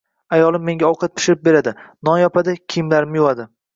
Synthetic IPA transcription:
ajɒlˠɪmːe̞ŋɡʲaɒwqʰɑt̪̚pʰɪ̥ʃɪɾɪp̚be̞ɾad̪ɪnɒnjɒpʰad̪ɪkʲʰijmlaɾɪmjʊad̪ɪ

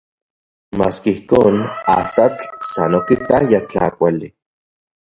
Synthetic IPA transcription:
maːskaihkoːnasat͡ɬsanokit̪ajat͡ɬa̰kʷali

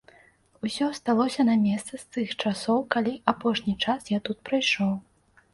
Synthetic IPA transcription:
usʲɔst̪alˠɔsʲɐnɐmʲɛst̪sɐst̪ɨxt͡ʂasɔwkalʲiʔapɔʂnʲit͡ʂasjat̪ut̪̚pɾajʂɔw

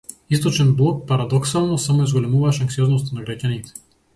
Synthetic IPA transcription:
ist̪ot͡ʃɛnblˠɔk̚paɾad̪ɔksalˠnosamoɛzɡolɛmuvaʃaŋksiɔznost̪anaɡɾaɟʲanit̪ɛ̥

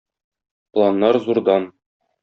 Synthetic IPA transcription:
plˠanːɑɾzuɾd̪ɑn

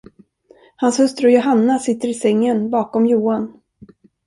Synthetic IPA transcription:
hanshɵst̪ɾɔjʊɦanːasɪt̪ːəɾɪsɛŋːənbɑːkɔmjuːan

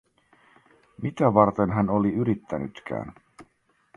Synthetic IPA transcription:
mit̪æʋɑrt̪e̞nɦæno̞liyɾit̪ːæny̰t̪k̟æ̰ːn

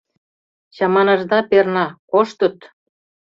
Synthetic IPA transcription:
ɕɑmɑnɑ̆ʒd̪ɑpernɑkoʃt̪ə̆t̪

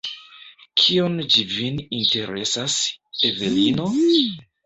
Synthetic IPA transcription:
kʰiond͡ʒivininte̞ɾe̞̰sasevelino̞

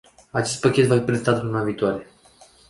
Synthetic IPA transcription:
at͡ʃe̞st̪̚pakʲe̞t̪vafipɾeet̪at̪lunaviːt̪oaɾe̞

